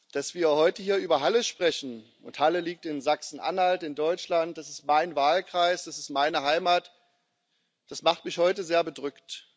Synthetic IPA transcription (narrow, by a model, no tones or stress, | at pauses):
d̥asv̥iːɐhɔʏtəɦiːɐʔyːbɐɦaləʃpʁ̥ɛçn̩ | ʊ̰nthaləliːk̚tɪnzaksn̩ʔa̰nhaltɪndɔʏt͡ʃlant̚d̥asɪstmaɪnvaːlkʁ̥aɪsd̥asɪst̚maɪnəɦaɪmaːt | d̥asmaχtmɪçhɔʏtəzeːɐbədʁʏkt